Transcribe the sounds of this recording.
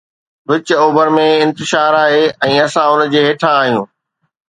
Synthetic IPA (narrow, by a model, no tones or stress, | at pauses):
ʋɪt͡ɕoːbəɾmẽɪ̃nt̪ɪʃaːɾaːɦeːɛ̃ːɐsãʊnəd͡ʑeːɦeːʈʰãːɦijũː